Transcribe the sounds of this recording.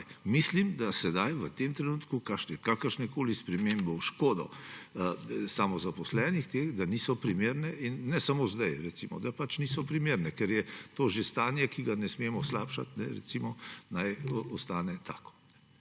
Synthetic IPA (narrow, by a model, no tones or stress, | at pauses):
mislimd̪asɛd̪ajʋət̪emt̪ɾɛnuːt̪kukaʃnɛkakəɾʃnɛkoːlispɾɛmembɛwʃkoːd̪ɔ̰ | samɔzapɔslɛːnixt̪exd̪anisɔpɾimeːɾnɛinːɛsamozd̪ajɾɛt̪simɔ̰d̪apat͡ʃnisɔpɾimeːɾnɛkɛɾjɛt̪oːʒest̪aːnjɛkiɡanɛsmemɔslaːpʃa̰t̪nɛɾɛ̰tsimɔnajɔst̪aːnɛt̪ʰaːkɔ̥nɛ